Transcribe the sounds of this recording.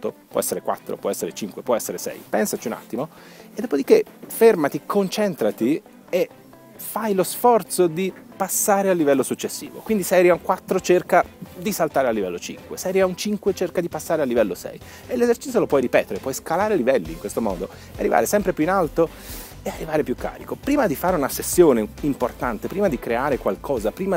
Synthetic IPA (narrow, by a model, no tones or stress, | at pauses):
t̪ːopwɔ̰ɛsːeɾekwa̰t̪ːɾo̰pwɔɛsːeɾet͡ʃiŋkwepwɔɛsːeɾesɛ̰jpɛnsat͡ʃiuna̰t̪ːimo | ed̪ːopod̪ikːe | fermat̪ikʰont͡ʃɛnt̪ɾat̪i | e | fajlosfɔrt̪sod̪ipasːaːɾealːivɛlːosut͡ʃːesːḭːvo̰kwind̪isɛjɾiauŋkwat̪ːɾot͡ʃerkad̪isalt̪aːɾealːivɛlːot͡ʃḭŋkwesɛjɾjaunt͡ʃiŋkwet͡ʃerkad̪ipasːaːɾealːivɛlːosɛ̰j | elːezert͡ʃit̪sjolopwɔjɾipɛːt̪eɾepwɔjskalaːɾelivɛlːḭːŋkwest̪omɔ̰ːd̪o | earːiva̰ːɾesɛmpɾepjuinalt̪o | earːivaːɾepjukːa̰ːɾikopɾiːmad̪ifaːɾeunasesːjoːneimport̪ant̪epɾiːmad̪ikɾeaːɾekwalkʰɔːzapɾiːma